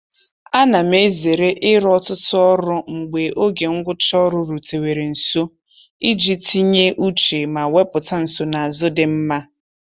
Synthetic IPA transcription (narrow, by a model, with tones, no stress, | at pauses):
a˦na˨me˦ze˨ɾe˦ʔɪ˦ɾɔ˦tʊ˦tʊ˦ɔ˦ɾʊ˦ŋ͡m̩˨ɡ͡be˨ʔo˦ɡe˨ŋ̩˦ɡʷʊ˦t͡ʃɔ˦ɾʊ˦ɾu˨te˨we˨ɾe˨n̩˨so˦ | i˦d͡ʒi˦ti˦ɲe˦ʔu˦t͡ʃe˨ma˨we˦pʊ˨ta˦n̩˨so˨na˨a˨zʊ˦dɪ˨m̩˦ma˦